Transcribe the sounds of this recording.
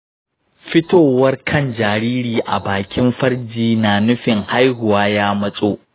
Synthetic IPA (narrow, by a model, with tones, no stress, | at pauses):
ɸɪ˦toː˨wɐ˦rkʰɐ˦nd͡ʒaː˨ɾiː˦ɾiː˨ʔa̰˨baː˨kʲɪ˦mɸɐ˦rd͡ʒiː˨naː˨nʊ˦ɸɪ˨ŋha˦jhʊ˨waː˦jaː˦mɐ˦sʼoː˦ʔ